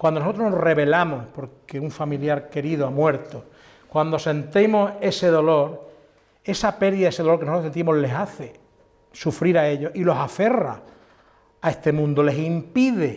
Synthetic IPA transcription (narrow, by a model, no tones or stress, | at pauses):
kwand̪onsot̪ɾonore̞βe̞lamohpo̞ɾkkeuɱfamiljaɾke̞ɾiðoamwe̞ɾt̪o | kwand̪o̞se̞nt̪emo̞se̞se̞ðo̞lo̞ɾ | e̞sape̞ɾðiðaeseðɾknosotɾosent̪imoɦle̞ɦaθe̞ | sufɾiɾae̞ʎo̞ilo̞safe̞ra̰ | ae̞ht̪e̞mũnd̪ole̞simpiðe̞